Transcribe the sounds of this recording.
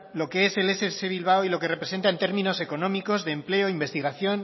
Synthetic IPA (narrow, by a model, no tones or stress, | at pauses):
lo̞kee̞se̞leseθeβilβ̞awilo̞ke̞repɾese̞nt̪aent̪e̞ɾmĩno̞se̞ko̞nõ̞miko̞zðe̞ːmple̞oimbe̞st̪iɣaθjo̞n